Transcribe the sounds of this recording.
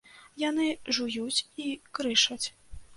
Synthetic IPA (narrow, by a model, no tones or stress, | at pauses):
janɨʐujut͡sʲikɾɨʂɐt͡sʲ